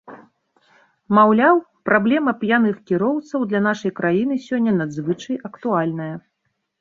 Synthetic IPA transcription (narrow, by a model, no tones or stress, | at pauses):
mawlʲaw | pɾablʲɛmɐpjanɨxkʲiɾɔwt̪sɐwd̪lʲɐnaʂɐjkɾʔajin̪ɨsʲɔnʲːɐnad̪zvɨt͡ʂɐjɐkt̪ualʲnɐjɐ